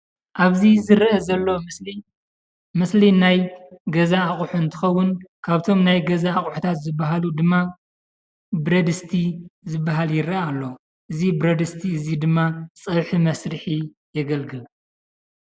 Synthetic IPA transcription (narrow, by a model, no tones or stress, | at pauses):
ʔaβzizɨɾʔɐzɐlːo̞ | mɨslinajɡɐzaːχʼuħuɨnt̪ʰɨ̥xɐwːʊnkʰaβt̪ʰo̞mnajɡɐzaːkʼuħut̪ʰat̪zɨbːaɦalud̪ɨmːa | bɾɐd̪ɨst̪ʰizɨbːaɦaljɪɾɐalːo | ʔɨzibɾɐd̪ɨst̪ʰiɨzid̪ɨmːat͡sʼɐβħimɐsɾɨħi | jɛɡɐlɡɨl